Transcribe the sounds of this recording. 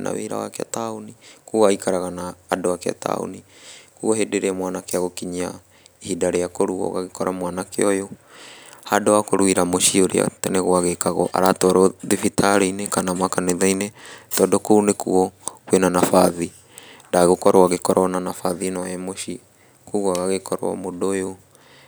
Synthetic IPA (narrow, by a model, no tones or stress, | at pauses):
na̰wḛɾa̰wa̰kea̰taonikuaikaɾaɣanaːdoakea̰ta̰o̰nikuɔɦedeɾeɛmwanakeaɣokiɲa | ihidaɾejakoɾuɔ̰ɣaɣekɔɾʔamwanakḛɔjo | hadoakoɾwiɾamoʃioɾḭa̰tanɛɣoaɣekaɣɔʔa̰ɾatɔɾɔðifitʰaɾenekanamakaneðainetɔdɔkounekṵɔkwenanafaði | ndaɣokɔɾoaɣekɔɾʔɔnanafaðinɔɛmoʃi | kuɣwaɣaɣekɔɾo̰a̰modojo